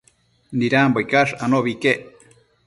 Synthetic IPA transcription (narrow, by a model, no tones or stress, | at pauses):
niɾambojkaʂanoʔβikeʔ